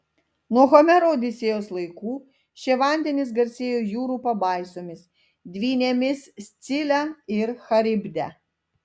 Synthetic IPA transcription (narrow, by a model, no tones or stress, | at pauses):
nuɔxomʲɛɾoːd̪ʲɪsʲeːjoːslˠɐɪkuː | ʃʲeʋɑˑnʲd̪ʲɛnʲɪs̬ɡɐɾʲsʲeːjoːjuːɾuːpɐbɐˑɪsoːmʲɪs | d̪ʲʋʲiːnʲeːmʲɪssʲt̪sʲɪlʲɛɪɾxɐɾʲɪbʲd̪ʲɛ̰